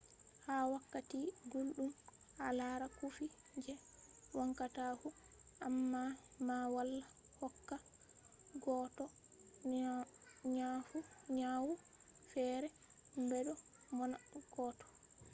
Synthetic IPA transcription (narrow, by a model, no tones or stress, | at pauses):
hawakːatiɡulɗumalaːɾakufiɲd͡ʒɛwaŋkataːhuʔamːamawalːa | hɔkːa | ɡɔtɔ | ɲafuɲawufɛːɾɛmbɛɗɔmɔnaɡ̥ɔːtɔ̥